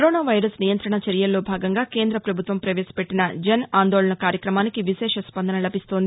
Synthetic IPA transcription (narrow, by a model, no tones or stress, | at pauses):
kɐɾoːnaːʋɐjɾɐsnijɐnt̪ɾɐɳɐt͡ʃɐɾjɐlːo̞ːbʱaːɡɐŋɡaːke̞ːnd̪ɾɐpɾɐbʱut̪ʋɐmpɾɐʋeːsɐ̥peʈːinɐd͡ʒɐnaːnd̪oːɭɐɳɐkaːɾjɐkɾɐmaːnikiʋiʃɛːʂɐspɐnd̪ʱɐnɐlɐbist̪oːnd̪ii